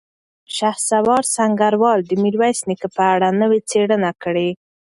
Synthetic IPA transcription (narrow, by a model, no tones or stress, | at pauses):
ʃaxsawɑɾsaŋɡaɾwɑld̪əmiɾwajsnikəpəaɽanəwet͡seɽənakəɽe